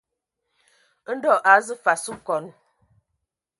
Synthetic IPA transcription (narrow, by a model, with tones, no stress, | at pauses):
n̩˦dɔ˦˨ʔa˨˦zɨ˦fa˨su˦kɔ˨n